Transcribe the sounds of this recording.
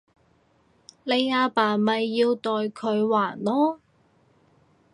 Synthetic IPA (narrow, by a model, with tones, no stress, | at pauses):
le˨˧jaː˧paː˨˩mɐ˨jːiː˧wt̪ɔː˨jkʰɵ˨˧ɥwaː˨˩nlɔː˥